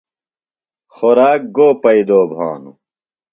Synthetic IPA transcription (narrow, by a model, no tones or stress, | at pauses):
xoɾaːk̚ɡoːpɐid̪oːbʱa̰ːnṵ